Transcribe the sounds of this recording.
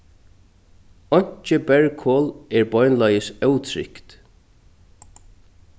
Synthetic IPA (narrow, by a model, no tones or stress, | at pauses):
ɔɲ̥t͡ʃəbɛɹkʰɔːlɛɹbɔjnlajəsœwt̪ʰɾɪ̰kt̪